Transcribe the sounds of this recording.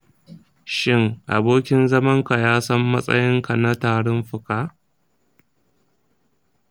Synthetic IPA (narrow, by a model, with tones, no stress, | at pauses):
ʃɪ˦ŋʔa̰˨boː˦kʲɪ˦nzɐ˦mɐ˦ŋka˨jaː˦sɐ˦mːɐ˦sʼɐ̰˦jɪ˦ŋka˨na˦taː˨ɽʊ˦mɸʊ˨kaː˦˨ʔ